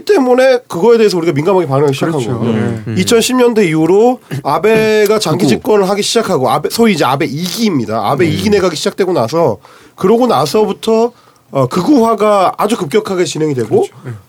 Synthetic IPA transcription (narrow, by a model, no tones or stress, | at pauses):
t͈e̞mune̞kɯɡʌe̞deːsʰʌuɾiɡaminɡamɦaɡepaŋɯaɡiɕʰid͡ʑakʰanɡʌoit͡ɕʰʌnɕʰimɲʌndweiuɾoabe̞ɡat͡ɕaŋɡid͡ʑik͈wʌnɯɭɦaɡiɕʰid͡ʑakʰaɡoabesʰoid͡ʑiabe̞iɡiːmɲida̰a̰be̞iɡine̞ɡaɡiɕʰid͡ʑak̚t͈we̞ɡonasʰʌ | kɯɾʌɡonas̬ʰʌbutʰʌː | kɯɡuɦwaɡaad͡ʑukɯp̚k͈jʌkʰaɡe̞t͡ɕinɦe̞ŋidwe̞ɡo